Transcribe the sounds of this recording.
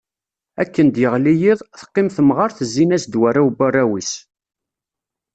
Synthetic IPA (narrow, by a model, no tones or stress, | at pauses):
ækːənd̪jəʁlijiðˤθə̥qːɪmθəmʁɑɾθəzːinæsd̪wærːæubærːæwis